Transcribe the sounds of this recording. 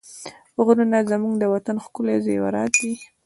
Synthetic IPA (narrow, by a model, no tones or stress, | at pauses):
ɣɾunazamuŋɡd̪əwat̪anxkʊlezḛwa̰ɾɑt̪̚d̪i